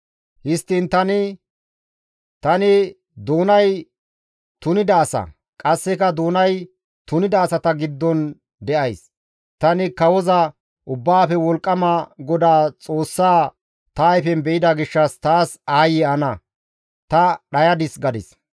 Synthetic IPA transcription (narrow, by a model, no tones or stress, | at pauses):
hɪst̪ːɪnt̪ɐnɪ | t̪ɐnɪ | d̪oːnɐj | t̪ʊnɪd̪ɐːsɐ̰ | kʼɐsːɛkɐd̪oːnɐj | t̪ʊnɪd̪ɐːsɐt̪ɐɡɪd̪ːɔn | d̪ɛʔɐjs | t̪ɐnɪkɐwɔzɐ | ʔʊbːaːfɛwɔlkʼːɐmɐɡɔd̪aːt͡sʼo̞ːsːaː | t̪ɐːjfɛnbɛʔɪd̪ɐɡɪʃːɐst̪aːsaːjɪɐnɐ | t̪ɐɗɐjɐd̪ɪsɡɐd̪ɪ̰s